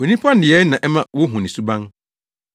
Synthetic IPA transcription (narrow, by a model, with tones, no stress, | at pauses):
o˨nĩ˦pʰã˦n̩˦dɪ˨ɛ˨˦nã˨ʔɛ˦mã˦˨wo˦ɦũ˨nĩ˨su˦bã˦n